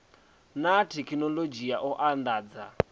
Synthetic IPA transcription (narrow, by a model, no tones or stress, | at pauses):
natʰekʰinɔlod͡ʒijaʔɔʔandaːd͡za̰